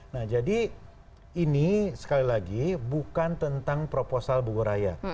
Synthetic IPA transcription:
nahd͡ʒadi | inisə̥kalilaɡibukant̪ənt̪aŋpɾoposalbuɡuɾaja̰

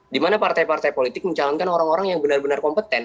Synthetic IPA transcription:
dimanapart̪ajpart̪ajpolit̪ɪk̚məɲt͡ʃalɔnkanoɾaŋoɾaŋjaŋbənarbənarkɔmpət̪ɛn

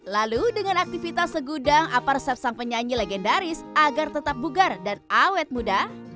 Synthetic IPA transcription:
laludəŋanak̚t̪ifit̪asːəɡudaŋaparsɛt̪̚saŋpəɲaɲileɡɛndaɾɪsaɡart̪ət̪ap̚buɡardanawɛt̪̚muda

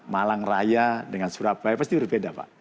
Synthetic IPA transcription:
malaŋrajadəŋansuɾapajpast̪ibərbedapa̰ʔ

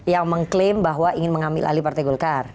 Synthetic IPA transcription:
jaŋməŋklɪmbaɦwaʔiŋɪnməŋambɪ̰lʔa̰lipart̪aɡɔlkar

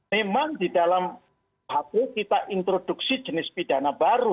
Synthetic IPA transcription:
memaŋdidalam | bakekit̪aʔint̪ɾod̥uksi̥d͡ʒənɪspid̥a̤nabaɾu

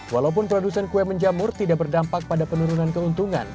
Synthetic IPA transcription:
walaup̬ʊnpɾodusɛnkuɛməɲd͡ʒamʊrt̪idaʔbərdampak̚padapənuɾunankəunt̪uŋa̰n

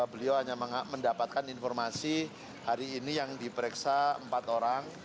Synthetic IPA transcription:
abəliawɦaɲaməŋaməndapat̪̚kaninfɔrmasi | haɾiːnijaŋdipəɾɛksaə̰mpat̪oɾaŋ

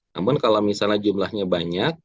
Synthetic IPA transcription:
a̰mʊnkalomisalɲad͡ʒumlahɲabaɲak̚

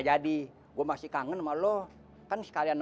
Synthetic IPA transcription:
d͡ʒadi | ɡuamasikaŋənmalɔ | kansə̥kalian

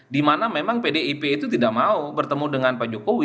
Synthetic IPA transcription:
dimanamemaŋpedeipeit̪ut̪idaʔ̚maubərt̪əmudəŋanpad͡ʒokowɪ

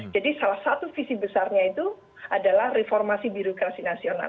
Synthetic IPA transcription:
d͡ʒadisalahsat̪ufisibəsarɲait̪u | adalahrefɔrmasibiɾokɾasinasiona̰

